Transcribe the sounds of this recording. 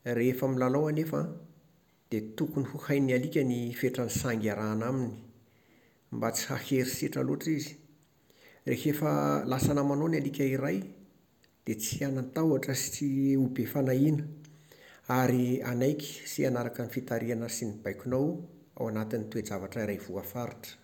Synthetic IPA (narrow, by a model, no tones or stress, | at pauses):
refamilalawanefə | d̪̥et̪ukunihuhajnialikʲənifeʈ͡ʂənisaŋɡʲaɾaːnamini̥ | mbat͡si̥ha̰heɾiseʈ͡ʂəloaʈ͡ʂizi̥ | rḛhefəlasanəmanonialikʲəiɾaj | d̪̥et͡sianant̪awaʈ͡ʂəsi̥t͡siubefanainə | aɾianajkʲi̥sianaɾakanifit̪aɾianəsinib̥ajkʲunaw | a̰wanat̪init̪ued͡zavaʈ͡ʂiɾajv̥uafaɾiʈ͡ʂə̥